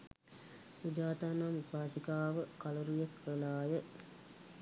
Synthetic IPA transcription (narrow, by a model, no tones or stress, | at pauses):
pud͡ʒaːt̪anamupaːsikaːʋəkaləɾujekʋəlaːjə